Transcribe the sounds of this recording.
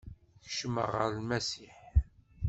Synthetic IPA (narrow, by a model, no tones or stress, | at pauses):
çʃəmə̰ʁəɾlmæsiħ